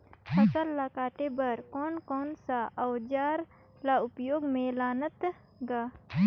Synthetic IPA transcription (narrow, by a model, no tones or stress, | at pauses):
pʰəsəlːakaːʈebəɾkɔːnkɔːnsaʔɐwd͡ʒaːɾ | laʊpjoːɡmẽlaːnət̪ | ɡaː